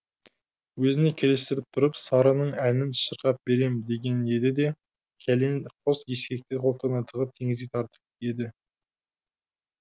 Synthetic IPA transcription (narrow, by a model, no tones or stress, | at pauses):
wɵzɪnekʲʰeɾest̪ɪɾɪp̚t̪ʰʊɾəpsɑɾənəɴænɪnʃəɾqɑp̚be̞ɾe̞md̪e̞ɡʲe̞ne̞d̪ɪd̪e̞ | kʲʰælenqʰosje̞skʲe̞k̚t̪eqʰolˠt̪ʰəmɑnt̪ʰəʁəp̚t̪ʰe̞ŋɪzɡʲet̪ʰɑɾt̪ə̥p̚e̞d̪ɪ